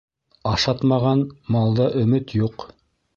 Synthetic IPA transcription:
ɑʃɑt̪mɑʁɑnmɑlˠd̪ɑʔɵ̆mɘt̪juq

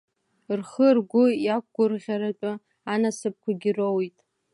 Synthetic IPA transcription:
rχərɡʷʊjak̚ʷɡʷʊrʁʲaɾat͡ʃʷʼʊ | anasɨp̚kʷʰaɡʲɪrowitʼ

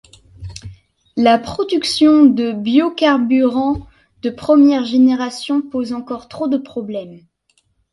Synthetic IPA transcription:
lapχɔd̪yksjɔ̃d̪əbjokaʁbyʁɑ̃ | d̪əpχəmjɛʁʒeneʁasjɔ̃pozɑ̃kɔʁt̪χod̪əpχɔblɛm

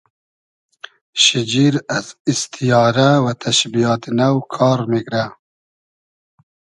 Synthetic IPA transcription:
ʃid͡ʒiɾazist̪ʰijɑːɾawat̪ʰaʃbijaːt̪nawkʰɑːɾmiɡɾa

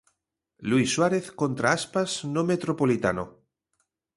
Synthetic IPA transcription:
lwisːwaɾeθkont̪ɾaaspaznomet̪ɾopolit̪a̰no̰

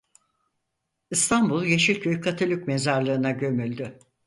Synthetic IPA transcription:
ist̪ʰambulˠjeʃilʲcʰøjykʰat̪ʰalʲycmezaɾlˠɯːɯnaɟø̞mylʲd̪ʏ

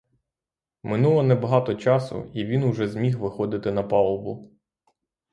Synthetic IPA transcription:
mɪnulˠɔnɛbɐɦɑt̪ɔt͡ʃɑsʊ̰iʋʲinʊʒɛzmʲixʋɪxɔd̪ɪt̪ɪnɐpɑlˠɔbʊ

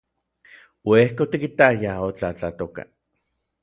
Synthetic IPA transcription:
wehkot̪ikit̪ajaot͡ɬat͡ɬat̪oka̰

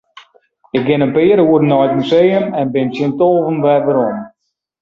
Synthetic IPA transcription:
ɪk̚ɡɪnənpɪːɾəuəɾnɔjtmysejəmɛnbɪnsjɪntoːvənʋɛvəɾɔm

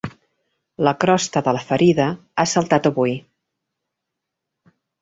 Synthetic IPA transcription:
ləkɾɔst̪əðələfəɾiðə | asəlˠt̪at̪əβuj

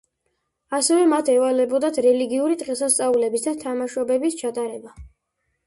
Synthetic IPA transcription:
asɛvɛmat̪ʰɛvalɛbɔd̪at̪ʰɾɛliɡiuɾit̪ʼqʼɛsast̪sʼaulɛbisd̪at̪ʰamaʃɔbɛbist͡ʃʰat̪ʼaɾɛba

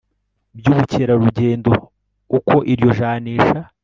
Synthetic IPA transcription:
bjuːβuceɾaɾuɟeːndo̞ | uko̞ʔiɾjo̞ʒaːniːʃa

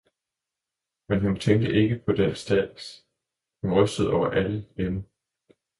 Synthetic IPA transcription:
menɦunt͡sʰeŋ̰ɡd̥əʔe̝ɡ̥əpʰɒ̽d̥ensd̥ɛ̥s | hunʁœsd̥əð̞̩ˠɒʊɐʔæləlenə

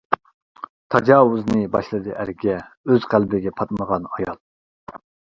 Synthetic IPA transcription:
t̪ʰɑd͡ʒɑːwʊznɨbɑʃlˠɨd̪ɨʔæɾɡʲɛøzqælbɪɡʲɛpʰɑt̪̚məʁɑnɑjɑl̚ˠ

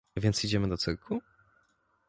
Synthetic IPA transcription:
vʲjɛnt̪sid͡ʑɛmɘd̪ɔt̪sɘɾkʰu

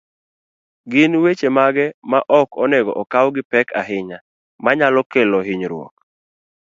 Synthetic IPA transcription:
ɡɪnwet͡ʃemaɡɛmaʔɔkɔnɛɡɔʔɔkawɡɪpɛkʰaɦɪɲa | maɲalɔkɛlɔɦɪɲɾwɔ̰k̚

